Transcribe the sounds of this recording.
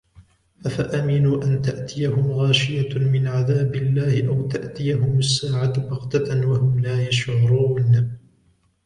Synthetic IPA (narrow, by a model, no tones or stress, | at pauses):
ʔafaʔamɪnuːʔant̪aʔt̪ɪjaɦʊmɣɑːʃɪjamɪnʕaðaːbɪlːaːhɪʔawt̪aʔt̪ɪjaɦʊmʊsːaːʕabɑqt̪aanwahʊmlaːjaʃʕʊɾuːn